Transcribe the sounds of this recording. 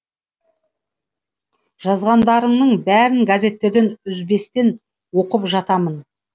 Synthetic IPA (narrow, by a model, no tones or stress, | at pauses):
ʒ̥ɑzʁɑnd̪ɑɾəɴnəɴbæɾɪŋɡazʲe̞t̪ːe̞ɾd̪e̞nʏzbe̞st̪e̞n | wo̞qəpʒɑt̪ɑmən